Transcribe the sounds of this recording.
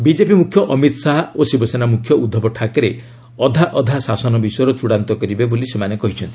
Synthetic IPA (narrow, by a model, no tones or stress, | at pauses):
bid͡ʒepimukʰːjɔʔɔmit̪ɔsaɦosibɔsenamukʰjɔʔud̪ʱːɔbɔʈʰakɔɾe | ɔd̪ʱaʔɔd̪ʱasasɔnɔbisɔjɔɾɔt͡ʃuɽant̪ɔkɔɾibebolisemanekɔɦit͡ʃʰɔnt̪i̥